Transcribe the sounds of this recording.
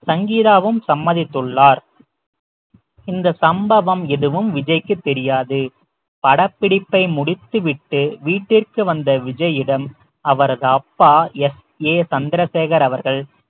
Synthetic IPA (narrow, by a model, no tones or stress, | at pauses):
sɐŋɡiːðaːʋɯmsɐmːɐðɪt̪ːɯɭːaːɾ | ɪnd̪ɐsɐmbɐʋɐmɪðɯʋɯmʋɪd͡ʒɐɪkːɯt̪ːɛɾɪjaːðɯ | pɐɽɐpːɪɽɪpːɐɪmʊɽɪt̪ːɯʋɪʈːɯʋiːʈːɪrkɯʋɐnd̪ɐʋɪd͡ʒɐjɪɽɐm | ɐʋɐɾɐðɯɐpːaːɛs | eːsɐnd̪ɪɾɐseːɣɐɾɐʋɐɾɣɐɭ